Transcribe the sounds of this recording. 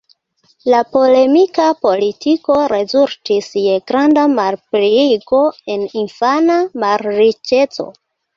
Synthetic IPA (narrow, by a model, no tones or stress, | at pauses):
lapo̞le̞mikapo̞litʰiko̞ɾe̞zultiseɡɾandamalpɾiiɡo̞e̞ninfanamaɾɾit͡ʃe̞t͡so̞̰